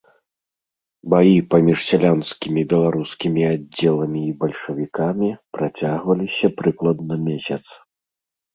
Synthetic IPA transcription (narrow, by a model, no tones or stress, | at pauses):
bajipamʲiʂsʲalʲanskʲimʲibʲɛlˠaɾuskʲimʲiad͡zʲːɛlˠɐmʲiːbɐlʲʂɐvʲikamʲipɾat͡sʲaɣvɐlʲisʲɐpɾɨklˠɐd̪̚nɐmʲesʲɐt̪s